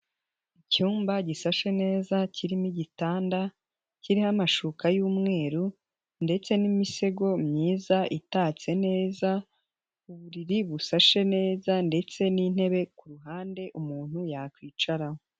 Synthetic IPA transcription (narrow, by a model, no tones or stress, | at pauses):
icuːmbaɟisaʃe̞ne̞ːzaciɾimiɟitaːnda | ciɾihamaʃukajuːmŋe̞ːɾu | nde̞t͡se̞nimise̞ɡo̞mɲiːzaʔitaːt͡se̞ne̞ːza | uβuɾiɾiβusaʃe̞ne̞ːzande̞t͡se̞nin̥he̞βe̞kuɾuɦaːnde̞ʔumuːn̥hujakwiːt͡ʃaɾaho